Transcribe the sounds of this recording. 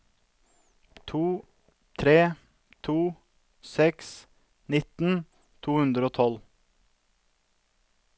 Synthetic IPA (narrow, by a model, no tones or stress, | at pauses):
t̪ʰuː | t̪ʰɾeː | t̪ʰuː | sɛks | nɪt̪n̩ | t̪ʰuːhʉnd̪ɾəoːt̪ʰɔl